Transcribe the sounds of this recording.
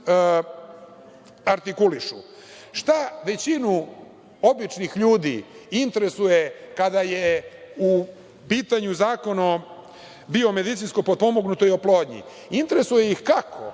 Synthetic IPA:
aɾt̪ikuliʃṵ | ʃt̪aʋe̞t͡ɕinu | obit͡ʃnixʎuːd̪ḭint̪eɾesujekad̪ajeu | piːt̪aɲuzaːko̞no | bio̞me̞d̪it̪sinsko̞pod̪̚po̞mo̞ɡnut̪o̞io̞plo̞ːd̪ɲḭ | int̪eɾe̞suje̞ixkakʰo̰

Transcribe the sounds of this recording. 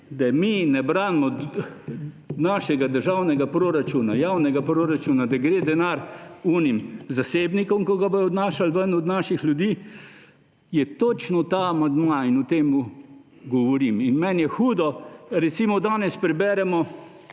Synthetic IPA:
d̪aminɛbɾaːnmɔ | naːʃɛɡad̪əɾʒawnɛɡapɾoːɾat͡ʃunajaːwnɛɡapɾoɾat͡ʃuːnad̪aɡɾeːd̪ɛnaɾunimzaseːbnikɔmkɔɡabojɔd̪naːʃalʋənɔd̪naːʃixljud̪iː | jɛt̪ot͡ʃnɔt̪aːmand̪mainɔt̪eːmu | ɡɔʋɔɾiminmɛnjɛxuːd̪ɔɾɛt̪simɔd̪aːnɛspɾɛbɛːɾɛmɔ

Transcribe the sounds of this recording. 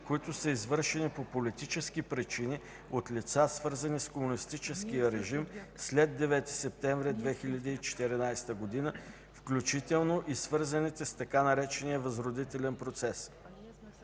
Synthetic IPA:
koit̪ʊsəizvɤɾʃɛnipopolit̪it͡ʃɛskipɾit͡ʃini | ot̪lʲit̪sasvɤɾzəniskomunist̪it͡ʃɛsk̟ijəɾɛʒimslɛd̪ːɛvɛt̪i̥sɛp̚t̪ɛɱvɾid̪vɛxilʲɐd̪iːt͡ʃɛ̥t̪ɛɾinajst̪əɡod̪inə | fklʲut͡ʃit̪ɛlˠnoʔisvɤɾzənit̪ɛst̪ɐkanɐɾɛt͡ʃɛnijəvɐzɾod̪it̪ɛlɛnpɾot̪sɛs

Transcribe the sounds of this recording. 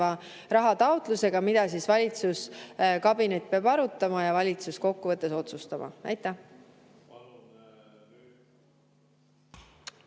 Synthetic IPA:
ɑ | ɾɑɦɑt̪ɑot̪ˑluse̞ɡ̥ɑmid̪̥ɑsiːsvɑlʲit̪suskɑbinet̪̚ːpeɑbɑɾut̪ˑːɑmɑjɑvɑlʲit̪susko̞kːuvɤt̪ːˑeso̞t̪sust̪ɑmɑ̰væ̰jt̪ːˑæ

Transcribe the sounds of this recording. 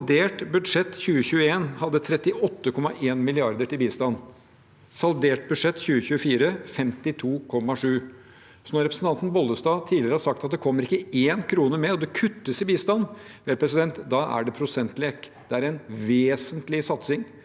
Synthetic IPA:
d̪eːʈbʉd̪ʂɛt̪ːçʉːəçʉːəeːnhɑd̪ːət̪ʰɾɛt̪ːɪʔɔt̪ːəkʰɔmːɑʔeːnmɪlɪɑɾd̪əʈɪlbiːst̪ɑn | sɑld̪eːʈ̚bʉd̪ʂɛt̪ːçʉːəçʉːəfiːɾəfɛmt̪ɪt̪ʰuːkʰɔmːɑʂʉː | sɔnɔɾɛpɾəsn̩t̪ɑnt̪n̩bɔlːəst̪ɑːt̪ʰiːlɪɾəhɑʂsɑk̚t̪ɑt̪̚d̪ɛkʰɔmːəɾɪkːəeːnkʰɾuːnəmɛɔd̪ɛkʰʉt̪ːəsɪbiːst̪ɑnːʋeːlpʰɾɛs̬ɪd̪ɛnt̪d̪ɑʔæ̰ɖɛpʰɾʊsɛnt̪leːk | d̪̥ɛæɾɛnʋeːsənt̪lɪsɑt̪sɪŋ

